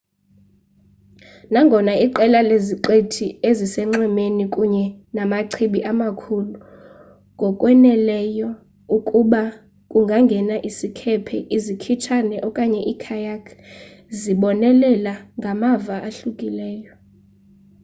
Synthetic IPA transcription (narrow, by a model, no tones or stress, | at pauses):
naŋɡʱɔnaiǃɛlaleziǃetʰiezisɛŋ͡ǀɛmenikʼuɲɛnamaǀʰiɓiʔamakʰulu | ŋɡʱɔkʼwɛnɛlɛjɔ | ukʼuɓa | kʼuŋɡʱaŋɡʱɛnaʔisikʰɛpʰɛ̰ʔizikʰit͡ʃʰanɛʔɔkʼaɲɛʔikʰajakʰ | ziɓɔnɛlɛlaŋɡʱamavaʔaɬukʼilɛːjɔ